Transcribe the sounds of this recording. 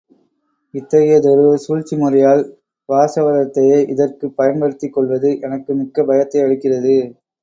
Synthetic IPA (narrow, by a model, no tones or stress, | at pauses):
ɪt̪ːɐɣɪjɐd̪ɔɾɯɐsuːɻt͡ʃːimʊrɐjaːl | ʋaːsɐʋɐɾɐt̪ːɐjeːʔɪðɐrkɯpːɐjɐnbɐɽɯt̪ːɪkːɔɭʋɐðɯʔɛnɐkːɯmɪkːɐbɐjɐt̪ːɐɪɐɻɯkːɪrɐðɯ